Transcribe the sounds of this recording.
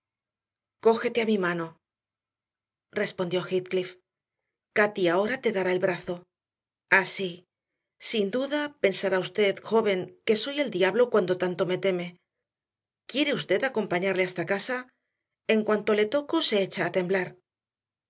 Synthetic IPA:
ko̞xe̞t̪eamimano̞ | re̞spo̞nd̪jo̞xit̪klif | kat̪iao̞ɾat̪e̞ðaɾae̞lβɾaθo̞ | asi | sind̪uðape̞nsaɾaust̪e̞ðxo̞βe̞ŋke̞so̞je̞ld̪jaβlo̞kwand̪o̞t̪ant̪o̞me̞t̪e̞me̞ | kje̞ɾe̞ust̪e̞ðako̞mpaɲaɾleast̪akasa | e̞ŋkwant̪o̞le̞t̪o̞ko̞se̞et͡ʃaːt̪e̞mblaɾ

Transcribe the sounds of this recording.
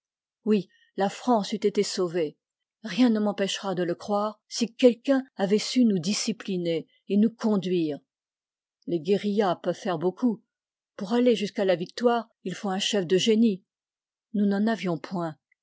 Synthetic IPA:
wi | lafχɑ̃syt̪et̪esove | ʁjɛ̃nəmɑ̃pɛʃʁad̪ələkχwaʁsikʲɛlkʲɛ̃avɛsynud̪isiplineː | nukɔ̃d̪ɥiːʁ | leɡʲeʁijapœv̥fɛʁboku | puʁaleʒyskalavik̚t̪waːʁ | ilfoɛ̃ʃɛfd̪əʒeni | nunɑ̃navjɔ̃pwɛ̃

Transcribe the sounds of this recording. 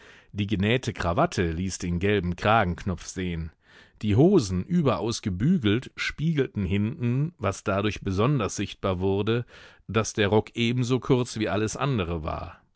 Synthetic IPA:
d̥iːɡənɛːtʰəkʁ̥avatʰəliːsd̥eːnɡɛlbm̩kʁ̥aːɡŋ̩knɔp͡fz̥eːən | d̥iːɦoːzn̩ʔyːbɐʔaʊsɡ̥əbyːɡl̩tʃpiːɡl̩tn̩ɦɪntn̩vasd̥adʊɐçb̥əzɔndɐsz̥ɪçt̚b̥aːɐvʊɐdə | d̥asd̥eːɐʁɔkʔeːbm̩zoːkʰʊɐt͡sv̥iːʔaləsʔa̰ndəʁ̞əva̰ːɐ

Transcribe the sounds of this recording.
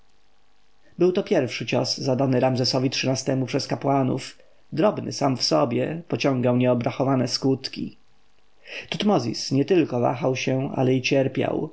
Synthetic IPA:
bɘwt̪ɔpʲjɛɾfʂɘt͡ɕɔszad̪anɘɾamzɛsɔvʲitʂɘnast̪ɛmupʂɛskapwanṵf | d̪ɾɔbnɘ̰samfsɔbʲjɛpɔt͡ɕɔ̃ŋɡ̪awɲɛɔbɾaxɔvanɛskut̪kʲḭ | t̪ut̪mɔzʲḭsɲɛt̪ɘlkɔva̰xawɕɛa̰lɛit͡ɕɛɾpʲja̰w

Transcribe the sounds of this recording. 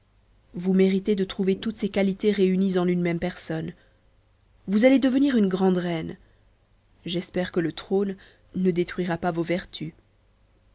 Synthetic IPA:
vumeʁit̪ed̪ət̪χuvet̪ut̪sekalit̪eʁeynizɑ̃lynmɛmpɛʁsɔn | vuzaled̪əvəniʁynɡʁɑ̃d̪ʁɛn | ʒɛspɛʁkələt̪χonː | əd̪et̪χɥiʁapavovɛʁt̪ʰy

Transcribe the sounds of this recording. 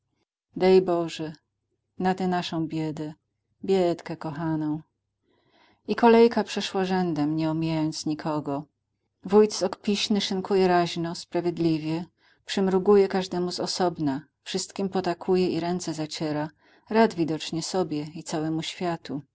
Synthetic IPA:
d̪ɛjbɔʐɛ | nat̪ɛnaʂɔ̃w̃bʲjɛd̪ɛ | bʲjɛt̪kɛkɔxanɔ̃w̃ | ikɔlɛjkapʂɛʂwaʐɛnd̪ɛmɲɛumʲijajɔnt̪sɲikʰɔɡɔ | vujt̪sɔkpʲiɕnɘʂɘŋkʰujɛɾaʑnɔspɾavʲjed̪lʲivʲjɛ | pʂɘmɾuɡujɛkaʐd̪ɛmuzɔsɔbna | fʂɘst̪kʲimpɔt̪akʰujɛiɾɛnt̪sɛzat͡ɕɛɾa | ɾad̪vʲid̪ɔt͡ʂɲɛsɔbʲjɛit̪sawɛmuɕfʲjat̪u

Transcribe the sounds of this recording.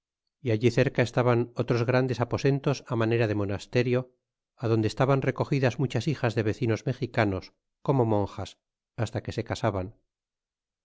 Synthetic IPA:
iaʎiθe̞ɾkae̞st̪aβano̞t̪ɾo̞zɣɾand̪e̞sapo̞se̞nt̪o̞samane̞ɾaðe̞mo̞nast̪e̞ɾjo̞ | aðo̞nd̪est̪aβanre̞ko̞xiðazmut͡ʃasixazðe̞β̞e̞θino̞zme̞xikanos | ko̞mo̞mõ̞ŋxas | ast̪ake̞se̞kasaβan

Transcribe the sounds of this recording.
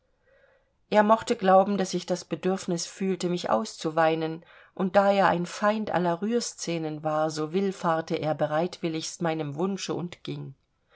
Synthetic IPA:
ʔeːɐmɔχtəɡlaʊbm̩dasɪçd̥asb̥ədʏɐfnɪsfyːltəmɪçʔa̰ʊst͡suvaɪnən | ʔʊnt̚d̥aːeːɐʔa̰ɪnfaɪntʔa̰lɐʁyːɐst͡sɛːnənvaːɐzoːvɪlfaɐtəʔeːɐbəʁaɪtv̥ɪlɪçstmaɪnəmvʊnʃəʊntɡ̥ɪŋ

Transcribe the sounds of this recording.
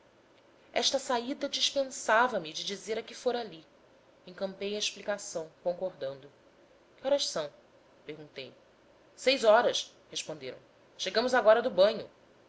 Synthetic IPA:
ɛ̰ʃt̪ɐsaid̪ɐd͡ʒiʃpẽsavɐmɪd͡ʒɪd͡ʒizeɾɐkɪfoɾali | ẽŋkɐ̃mpejɐeʃplikasɐ̃w̃kõŋkoɾd̪ɐ̃nd̪ʊ | kɪɔɾɐʃsɐ̃w̃ | peɾɡũnt̪ej | sejzɔɾɐs | heʃpõnd̪eɾɐ̰̃w̃ | ʃeɡɐ̃mʊzaɡɔɾɐd̪ʊbɐ̃ɲʊ

